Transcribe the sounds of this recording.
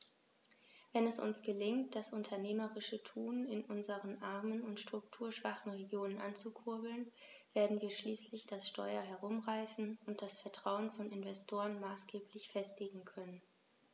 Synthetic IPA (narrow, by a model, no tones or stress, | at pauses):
vɛnɛsʊ̰nsɡ̥əlɪŋt̚d̥asʔʊntʰɐneːməʁɪʃətʰuːnɪnʔʊnzəʁənʔaɐmənʊntʃtʁ̥ʊktʰuːɐʃv̥aχn̩ʁeɡjoːnənʔant͡sukʰʊɐbl̩n | v̥eːɐdn̩viːɐʃliːslɪçd̥asʃtɔ̰ʏɐɦɛɐʁʊmʁaɪsn̩ʊnt̚d̥asfɛɐtʁ̥aʊənfɔnɪnvɛstʰoːʁənmaːsɡ̥eːpʰlɪçfɛstɪɡŋ̩kʰœnən